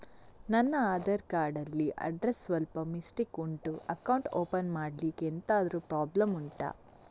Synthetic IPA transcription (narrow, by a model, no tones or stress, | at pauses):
nɐnːɐaːd̪ɐɾkaːɾɖɐlːiʔɐ̰ɖɾesːʋɐlpɐmisʈikuɳʈuɐkɐwɳʈoːpɐnmaːɖlikent̪aːd̪ɐɾupɾaːblɐmuɳʈa̰ː